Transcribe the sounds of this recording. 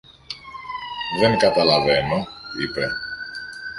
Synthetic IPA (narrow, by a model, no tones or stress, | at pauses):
ðe̞ŋkɐt̪ɐlɐve̞no̞ḭpe̞